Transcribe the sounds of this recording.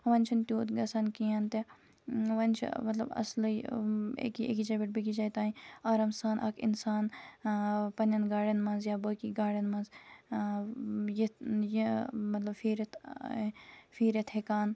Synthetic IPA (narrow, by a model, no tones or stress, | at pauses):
ʋɐnʲt͡ʃʰɐnt̪ʲjuːt̪ɡɐsɐnkijɐnt̪e | ʋɐnʲt͡ʃʰḭmɐt̪lɐ̰bɐ̰sl | ḛkiḛkit͡ʃɐːbʲiʈ̚bikit͡ʃaːjt̪aːĩaːɾɐmsaːnʔɐ̰kʰḭnsaːn | pɐnʲɐnɡaːɽɐnmɐnzjaːboːkiːɡaːɽɐnmɐnz | jijimɐt̪lɐbfiːɾɐt̪ | fiːɾʲɐt̪ʰhekaːn